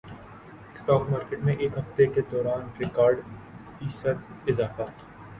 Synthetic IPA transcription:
sʈɔːkmaːɾkeːʈmẽʔeːkɦɐft̪eked̪ɔːɾaːnɾɪkaːɾɖ | fiːsəɾɪzaːfa

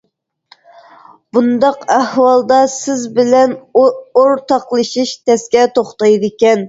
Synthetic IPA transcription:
b̥und̪ɑqæhwɑlˠd̪ɑsɪzbɪlɛnoɾt̪ʰɑqlˠɨʃiʃt̪ʰɛskʲɛt̪oχt̪ɑjd̪ɨkʲɛn

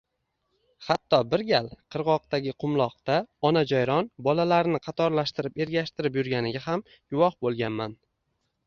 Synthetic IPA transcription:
hat̪ːɒbɪɾɡʲalqʰɨɾʁɒq̚t̪aɡʲɪqʰʊmlˠɒqt̪aɒnad͡ʒɒjɾɒnbɒlalaɾnɪqʰɑt̪ʰɒɾlaʃt̪ɪɾɪpe̞ɾɡʲaʃt̪ɪɾɪp̬jʊɾɡʲanɪɡʲaɦam | ɡʊwɒχbolˠɡʲanman

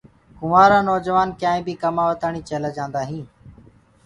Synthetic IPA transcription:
kʊʋaːɾaːnɔːd͡ʒəʋaːnkjãːĩːbiːkəmaːʋət̪aːɳiːt͡ʃeːleːd͡ʒãːnd̪aːɦĩː

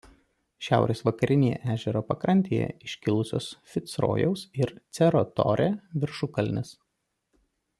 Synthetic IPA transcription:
ʃʲæˑʊɾʲeːsʋɐkɐɾʲɪnʲejɛ̰ʔæːʒʲɛɾoːpɐkɾɐnʲt̪ʲeːjɛ̰ɪʃʲkʲɪlˠʊsʲo̰ːsfʲɪt̪sɾo̰ːjɛʊsɪɾt̪sʲɛɾot̪ɔ̰ːɾʲeʋʲɪɾʃʊkɐlʲnʲɪs

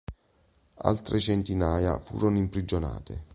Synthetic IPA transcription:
a̰lt̪ɾʔet͡ʃɛnt̪inaːja̰fṵːɾonimpɾid͡ʒona̰ːt̪ḛ

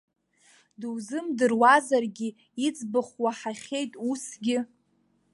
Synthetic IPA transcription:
dɨwzɨmdɨrwazarɡʲɪ | it͡sʼbɨχwaħaχʲejtʼusɡʲɪ

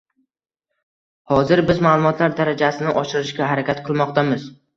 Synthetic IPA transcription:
hɒzɪɾbɪzmaːlˠʊmɒt̪ʰlaɾd̪aɾad͡ʒasɪnɪʔɒʃɪɾɪʃkʲaɦaɾakʲat̪qʰɨlˠmɒqt̪amɪz

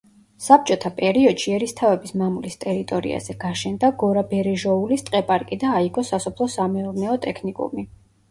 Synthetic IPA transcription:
sap̚ʰt͡ʃʼɔt̪ʰapʼɛɾiɔd̪̥ʃiɛɾist̪ʰavɛbismamulist̪ʼɛɾit̪ʼɔɾḭa̰z̥ɛɡ̥aʃɛnd̪aɡɔɾabɛɾɛʒɔulist̪ʼqʼɛpʼaɾkʼid̪aːiɡɔsasɔpʰlˠɔsamɛuɾnɛɔt̪ʼɛkʰnikʼṵmi

